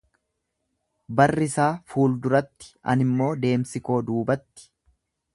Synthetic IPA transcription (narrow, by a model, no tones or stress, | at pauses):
bɐrːɪsaːfuːld̪ʊɾɐt̪ːɪ̥ɐ̰nɪmːo̞ːd̪e̞ːmsɪko̞ːd̪uːbɐt̪ːɪ̥